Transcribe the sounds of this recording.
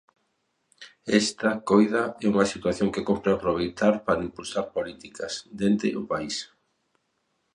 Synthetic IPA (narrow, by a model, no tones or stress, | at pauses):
ɛst̪ɐkojðɐɛuŋɐsit̪waθjoŋkekompɾeapɾoβ̞ejt̪aɾpaɾɐimpulsaɾpolit̪ikɐsd̪ent̪ɪ̰ʔʊpais